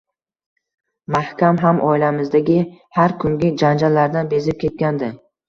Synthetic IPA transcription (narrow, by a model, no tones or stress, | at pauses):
mahkʲamɦamʔɒ̰ilamɪzd̪aɡʲɪhaɾkʰʊŋɡʲɪd͡ʒand͡ʒallːaɾd̪anbe̞zɪp̚kʲʰe̞t̪̚kʲand̪ɪ